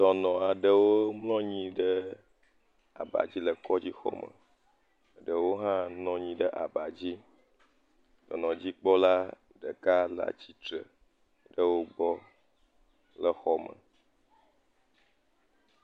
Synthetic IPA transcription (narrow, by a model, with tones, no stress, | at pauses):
d̥̪ɔ˨nɔ̃˨a˨ɖə˦wo˦mlɔ̃˦ɲĩ˦ɖə˦ | a̰˨ba̰˨d͡ʑi˦lə˨kɔ˦d͡ʑi˦xɔ̰˦mə̰˨ | ɖə˨wo˦ɦã˦nɔ̃˦ɲĩ˦ɖə˦ʔa˨ba˨d͡ʑi˦ | d̪̥ɔ˨nɔ̃˨d͡ʑi˦k͡pɔ˦la˦ | ɖə˨ka˦la̰˨t͡ɕi˦t̪ɾə˨ | ɖə˦wo˦ɡ͡bɔ˦ | lə˨xɔ˨mə̰˨